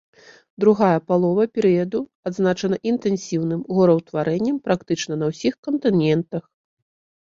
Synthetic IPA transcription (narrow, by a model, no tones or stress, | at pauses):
d̪ɾuɣajɐpalˠɔvɐpʲɛɾɨjɐd̪uad̪znat͡ʂɐn̪ɐʔint̪ɛnsʲiwnɨmɣɔɾɐwt̪vaɾɛnʲːɐmpɾakt̪ɨt͡ʂnɐnɐwsʲixkɐnt̪ɨnʲɛnt̪ɐx